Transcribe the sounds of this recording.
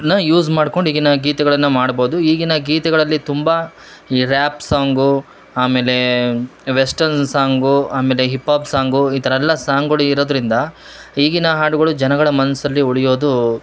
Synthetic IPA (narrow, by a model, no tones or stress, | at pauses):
nɐjuːzmaːɖko̞ɳɖiːɡinɐɡiːt̪ɐɡɐɭɐnːɐmaːɽboːd̪uiːɡinɐɡiːt̪ɐɡɐɭɐlːit̪umbɐ | iːɾaːpsaːŋɡu | aːme̞ːle̞ | ʋesʈɐnsaːŋɡuaːme̞ːleɦipːaːbsaːŋɡuit̪ɐɾɐɛlːɐsaːŋɡɡɐɭuiɾoːd̪ɐɾind̪ɐ | iːɡinɐɦaːʈuɡɐɭud͡ʒɐnɐɡɐɭɐmɐnsɐlːiuɭijo̞ːd̪u